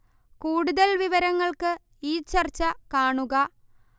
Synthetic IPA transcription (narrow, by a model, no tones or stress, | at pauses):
kuːɽuðɐlʋiʋɐɾɐŋːɐɭkɨ | iːt͡ɕɐrt͡ɕːɐkaːɳuɣɐ